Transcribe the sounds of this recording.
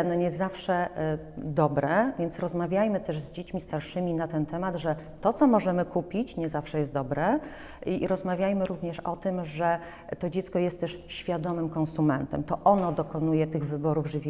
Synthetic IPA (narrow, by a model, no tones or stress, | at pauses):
nɔɲɛzafʂɛ | d̪ɔbɾɛvʲjɛnsɾɔzmavʲjajmɘt̪ɛʐzd͡ʑet͡ɕmʲist̪aɾʂɘmʲinat̪ɛnt̪ɛmad̪ʐɛ | t̪ɔt̪sɔmɔʐɛmɘkupʲit͡ɕɲɛzafʂɛjɛst̪̚d̪ɔbɾɛ | iɾɔzmavʲjajmɘɾuvɲɛʂɔt̪ɘmʐɛ | t̪ɔd͡ʑɛt̪skɔjɛst̪ːɛʂɕfʲjad̪ɔmɘmkɔ̃nsumɛnt̪ɛmt̪ɔʔɔnɔd̪ɔkɔnujɛt̪ɘɣvɘbɔɾuvʐɘvʲ